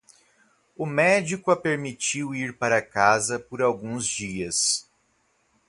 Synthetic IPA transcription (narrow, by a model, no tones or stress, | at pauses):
ʊmɛd͡ʒikʊɐpeɾmit͡ʃiwiɾpaɾɐkazɐpoɾawɡũzd͡ʒiɐs